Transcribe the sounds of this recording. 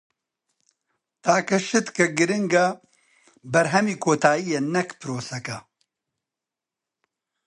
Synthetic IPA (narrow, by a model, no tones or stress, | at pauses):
t̪aːkɐʃɨt̪kɐɡɨɾɪŋɡa | bɐɾɦɛmiːkʰoːt̪ʰaːijenɐkpɨɾoːsɐkɐ